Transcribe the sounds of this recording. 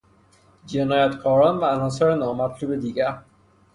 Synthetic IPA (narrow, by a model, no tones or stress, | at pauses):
d͡ʒenɒːjat̪kʰɒːɾɒːnvæːlɒːs̬ɔɾenɒːmæt̪luːbed̪iɡæɾ